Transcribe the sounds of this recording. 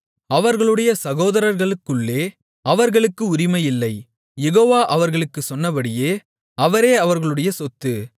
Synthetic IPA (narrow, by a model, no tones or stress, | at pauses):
ɐʋɐɾɣɐɭɯɽɐjɐsɐɣoːðɐɾɐɾɣɐɭɯkːɯɭːeː | ɐʋɐɾɣɐɭɯkːɯʊɾɪmɐjɪlːɐɪ | jɛɣoːʋaːʔɐʋɐɾɣɐɭɯkːɯsɔnːɐbɐɽɪjeː | ɐʋɐɾeːɐʋɐɾɣɐɭɯɽɐjɐsɔt̪ːɯ